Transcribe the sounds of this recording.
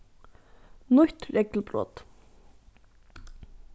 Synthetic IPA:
nʊht̪ɾɛklpɾɔ̰ːt̪

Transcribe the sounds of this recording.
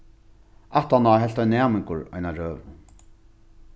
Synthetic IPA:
aht̪anaɦɛlt̪ajnɛːmɪŋkʊɾa̰jnaɾœːv

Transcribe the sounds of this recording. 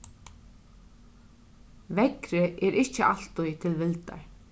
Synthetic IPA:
vɛkɾɪʔɛɾʔɪht͡ʃːɪʔal̥t̪ʊjt̪ʰɪlvɪlt̪a̰ɹ

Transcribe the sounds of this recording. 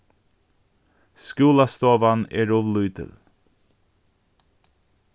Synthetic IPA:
skʉːlɑst̪oːʋɑnḛːɾuʋlʉːd̪ə̰l

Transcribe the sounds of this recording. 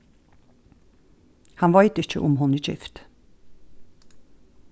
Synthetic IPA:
hɑnʋɑɪt̪ɪc͡çə̰ʔʊmhɔnic͡çɪ̰ft̪

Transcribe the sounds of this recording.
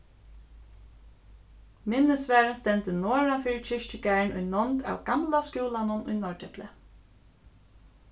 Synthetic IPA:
mɪnəsʋæːɹənst̪ɛnt̪ənoːɹafiːɹɪt͡ʃʰɪʃt͡ʃɪɡæːɹɳʊjnɔnt̪a̰wɡamlaskjuːlanʊnʊ̰jnɔɹʈʰɛplə

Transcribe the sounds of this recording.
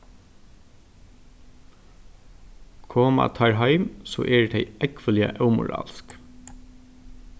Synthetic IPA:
kʰoːma̰t̪ʰɑɹɦɑɪmsɔ̰ːʔɛːt̪ʰeɪɛkʋəlɪə̰ʔœʉmʊ̰ɹɑ̰ːlsk

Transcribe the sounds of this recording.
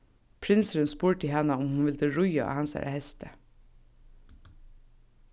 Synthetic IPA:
pʰɾɪnsɾʉnspuːɹʈɪhɛnəʊmhunʋɪld̪əɾʊʏɑ̰ɑ̰hɑnsæ̰ːɾæ̰hɛst̪ʰə

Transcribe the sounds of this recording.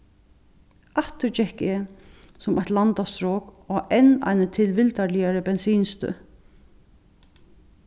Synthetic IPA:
aht̪ʏt͡ʃɛhkɛ | sʊmajt̪lant̪ast̪ɾɔːkɔɛna̰jnət̪ʰɪlʋɪlt̪aɾlɪjaɾəbɛnsiːnst̪ʏ̰

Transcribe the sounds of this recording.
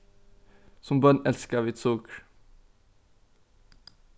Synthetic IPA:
sɔmbœnɛlskəʋɪːt̪suːk

